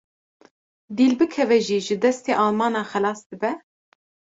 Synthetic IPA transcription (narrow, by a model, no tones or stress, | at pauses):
d̪iːlbɨkʰɛvɛʒiːʒɨd̪ɛst̪eːʔɑːlmɑːnɑːxɛlɑːsd̪ɨbɛ